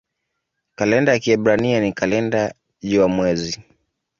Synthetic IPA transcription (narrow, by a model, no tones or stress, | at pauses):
kalɛndajakiɛɓɾanianikalɛnda | ʄuamwɛzi